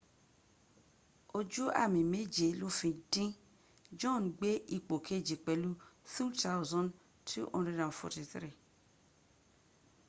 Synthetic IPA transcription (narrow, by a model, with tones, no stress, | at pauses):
o˨d͡ʒu˦a̰˦˨mĩ˨me˦d͡ʒe˨lo˦fĩ˧dĩ˦ | d͡ʒɔ̃˦˨nɡ͡be˦ʔi˦˨k͡po˨kʰe˦˨d͡ʒi˨k͡pɛ˨lu˦θu˦ta˦wzɔ̃˦n | tʰṵ˦ʔɔ̰̃˦nɾe˦dã˨nfɔ̰˧ti˨θɾi˦˨